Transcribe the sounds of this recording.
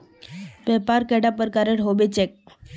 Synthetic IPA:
pɛpaɾkɛɽapəɾkaɾeʈɦobet͡ɕek̚

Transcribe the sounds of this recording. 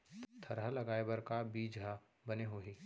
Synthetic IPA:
t̪ʰɐɾɦalɐɡaːebəɾkabiːd͡ʒa | bɐneɦoːɦiː

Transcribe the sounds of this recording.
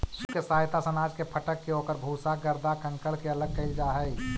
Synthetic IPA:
skesaːɦjt̪asənaːd͡ʒkepʰəʈəkːeoːkəɾbʱuːsaɡəɾd̪akə̃ŋkəɭkeələɡ̚kəɪld͡ʒaɦɛɪ

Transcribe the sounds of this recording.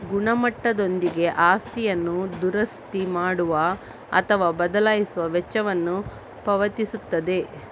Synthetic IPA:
ɡuɳɐmɐʈːɐd̪o̞nd̪iɡe̞ʔaːst̪ijɐnːud̪uɾɐst̪imaːɽuʋɐ | ɐ̰t̪ʰɐʋaːbɐd̪ɐlaːjisuʋɐʋɛt͡ʃːɐʋɐnːu | pɐʋɐt̪isut̪ːɐd̪e̞

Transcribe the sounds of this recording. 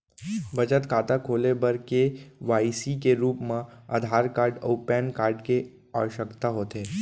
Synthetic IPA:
bəd͡ʒət̪kʰaːt̪akʰoːlebəɾkeʋaːisikeɾuːpmãa̰d̪ʱaːɾkaːɾɖo̰ːpɛːnkaːɾɖke | a̰ʋəʃəkt̪aɦoːt̪eː

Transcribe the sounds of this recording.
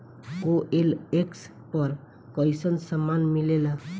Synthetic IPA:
oʔeleks | pʌɾ | kəjsənsəmːanmilela

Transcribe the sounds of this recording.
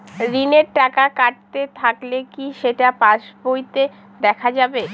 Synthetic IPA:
ɾineɾʈakakaʈ̚t̪et̪ʰaklekiʃeʈapaʃbojt̪e | d̪ɛkʰad͡ʑabe

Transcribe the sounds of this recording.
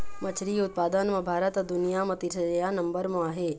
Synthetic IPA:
mɐt͡ʃʰɾiʊt̪̚paːd̪ənmɐ̃bʱaːɾət̪əd̪ʊnijamɐt̪iʃəd͡ʒəjanɐmbəɾmɐ̃aɦe

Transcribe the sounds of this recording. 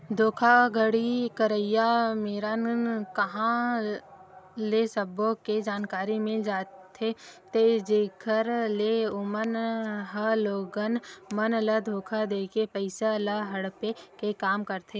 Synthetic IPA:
d̪ʱoːkʰaɡʱəɽikəɾəjameːɾənkɐɦã | lesəboked͡ʒaːnkaːɾimɪld͡ʒaːt̪ʰet̪ed͡ʒeːɡʰʱəɾleʊmənɦəloːɡənmənləd̪ʱoːkʰad̪eːkepəɪsaləɦɐɽpekekaːmkɐɾt̪ʰeː

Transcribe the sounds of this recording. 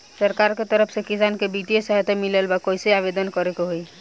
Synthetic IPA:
səɾkaɾket̪əɾəpʰsekisankebit̪ijesəɦt̪emiləlbakojseabed̪ənkɔɾekoɦoj

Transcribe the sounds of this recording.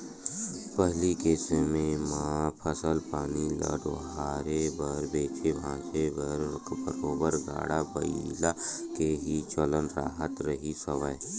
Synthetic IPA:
pəɦlikeːsemẽmãːpʰəsəlpaːnilə̰ɖo̰ɦaːɾebəɾbeːt͡ʃʰebʱãːt͡ʃebəɾkbə̰ɾoːbəɾɡa̰ːɽabəilakeɦit͡ʃələnɾaːɦət̪ɾəɦisəʋə

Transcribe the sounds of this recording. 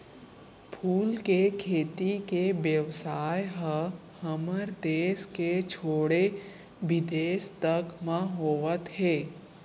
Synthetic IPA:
pʰuːlkekʰeːt̪ikeʋjəʋsaːjɦə | həməɾd̪eːsket͡ʃʰoːɽe | ʋɪd̪eːst̪əkmãɦoːʋət̪ɦeː

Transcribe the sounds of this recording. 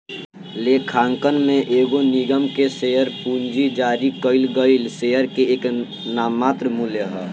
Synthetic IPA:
leːkʰaːŋkənmẽʔeːɡoniɡəmkesejəɾpuɲd͡ʒid͡ʒaːɾikəɪlɡəɪlseəɾkeeːk | naːmːaːt̪ɾəmuljəɦɛː

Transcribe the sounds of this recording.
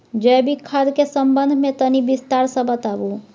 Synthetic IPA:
d͡ʒɛːbʱikʰad̪kesə̃mbə̃nd̪ʱmẽt̪ənibɪst̪aːɾsə̃bət̪aːbu

